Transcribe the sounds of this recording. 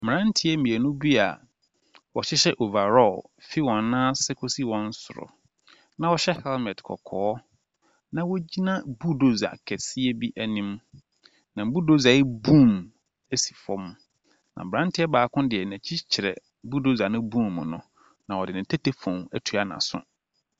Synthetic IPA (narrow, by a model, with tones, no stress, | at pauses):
m̩˨ã˦n˦tʰɪ˦ɛ˦mĩ˨æ˨nũ˦bi˦a̰˨ | wɔ˨ɕɪ˦ɕɛ˦ʔo˨va˨ɾɔ˦˨l | fi˦wɔ̃˨nː˦ã˦sɪ˦kʰo˦si˦wɔ̃˦n̩˦sʊ˨ɾɔ̰˨ | nã˨wɔ˦ɕɛ˦hɛ˦lmɛ̃˨tkʰɔ̰˨kʰɔː˦ | nã˦wo˦d͡ʑi˦nã˦bu˦do˦za̰˨kʰɛ˨si˦ɛ˦bi˦ʔæ˨nĩ˦m | nã˨m̩˨bu˦do˦za˨ɪ˦bũ˦˨m | æ˦si̥˨fɔ̃˦m | nã̰˨m̩˨bɾã˦n˦tʰɪ˦ɛ˦baː˨kʰʊ̃˦dɪ˨ɛ˨næ̃˨t͡ɕʰi˦t͡ɕʰɪ˨ɾɛ̰˨˦ | bu˦do˦za˨nʊ̃˦bũ˦˨m˨mʊ̰̃˨nʊ̃˨ | nã˨wɔ˨dɪ˨nɪ̃˨tʰæ˦tʰe˦fɔ̃˨æ˦tʰu˨a˦nã̰˨sʊ̰˦